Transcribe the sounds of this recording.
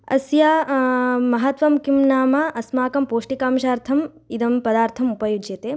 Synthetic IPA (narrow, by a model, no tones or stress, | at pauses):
ɐ̰sja | mɐɦɐt̪ʋɐmkimnaːmaʔɐsmaːkɐmpoːʂʈikaːmʃaːɾt̪ʰɐm | id̪ɐmpɐd̪aːɾt̪ʰɐmupɐjud͡ʒjɐt̪eː